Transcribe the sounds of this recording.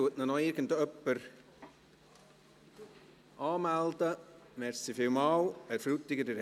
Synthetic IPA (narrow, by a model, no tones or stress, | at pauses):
tuətnənɔɪɾɡən̩dœpːəɾ | ʔɑːmældəmɛɾsifɪwmɑːwɛɾfɾutːɪɡədəɾ